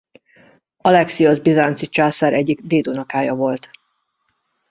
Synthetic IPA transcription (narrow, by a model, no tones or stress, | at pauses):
ɒlɛksijozbizaːnt̪sit͡ʃaːsaɾɛɟːiɡd̪eːd̪onɒkaːjɒvo̞lt̪